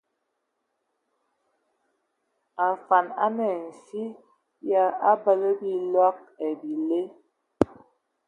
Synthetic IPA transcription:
a˨fa˨na̰˦nɛ˨n̩˨si˦ | ja˦a˦bə˦lə˦bi˦lwa˦k̚ɛ˨bi˨le˦

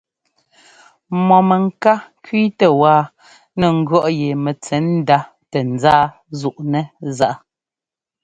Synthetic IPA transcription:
mɔ˨mɛ˨ŋ̩˨ka˦kwi˦tɛ˨waː˦ | nɛ˨ŋ̩˦ɡɰɔ˦˨ʔje˨mɛ˨t͡sɛ˨˦n̩˦da˦ | tɛ˨n̩˨d͡zaː˦ | zu˨ʔnɛ˦za˦˨ʔ

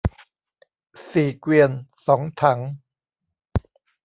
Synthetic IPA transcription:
siː˨˩kwi˧ənsɔː˩˦ŋt̪ʰa˩˦˥ŋ

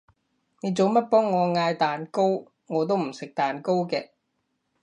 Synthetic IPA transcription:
ne˨˧jt͡so˨˧wmɐ˥t̚pɔː˥ŋːɔː˨˧ŋaː˧jt̪aː˨˩nko˥w | ŋɔː˨˧t̪̬o˥wm̩˨˩sɪ˨k̚t̪aː˨nko˥wkɛː˧

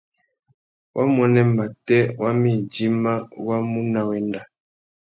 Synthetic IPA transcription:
wʔa˦mɔ˦nɛ˦ma˨tɛ˦wa˦mi˦˨d͡ʒi˦ma˦wa˦mu˦na˨wɛ˨nda˨

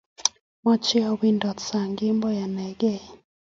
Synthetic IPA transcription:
mɔ˦t͡ʃɛ˦a˨wi˦ndɔ˨tsa˨ŋɡɪ˦mbɔ˦ja˨nɛ˨ɡɛ˦˨

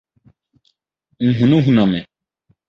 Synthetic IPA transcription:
ŋ̩˨ɦũ˨nũ˦ɦu˨nã˨mɛ̃˨

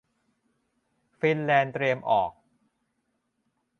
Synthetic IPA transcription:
fi˧nlɛː˧nt̪ɾiː˧əmʔɔː˨˩k̚

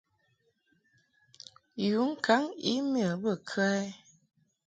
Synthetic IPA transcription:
ju˨˦ŋ̩˦ka˨˦ŋḭ˦m˦ə˨bə˦˨kʰə˦ɛ˦

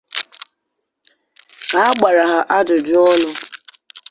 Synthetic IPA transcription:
a˨˦a˦ɡ͡ba˨ɾa˨ɦa˨ʔa˦dʊ˨d͡ʒʊ˦ɔ˦nʊ˦

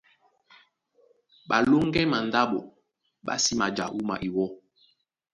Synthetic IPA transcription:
ɓa˨lo˦ŋ˦ɡɛ˦ma˨nda˦ɓɔ˨ | ɓa̰˦si˦ma˨d͡ʒa̰˨ʔu˦ma̰˨ʔi˨wɔ˦

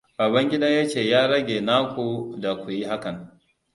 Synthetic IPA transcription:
baː˨bɐ˦ŋɡʲɪ˦da˦ja˦t͡ʃeː˨jaː˦ɽɐ˦ɡʲeː˨naː˦kʷu˨da˨kʷu˨ji˦ha˦kɐ˨n

